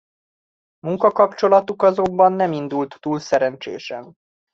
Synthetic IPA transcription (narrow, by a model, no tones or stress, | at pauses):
muŋkɒkɒpt͡ʃo̞lɒt̪ukɒzo̞mbɒnːɛmind̪ult̪ːuːlsɛɾɛnt͡ʃḛːʃɛn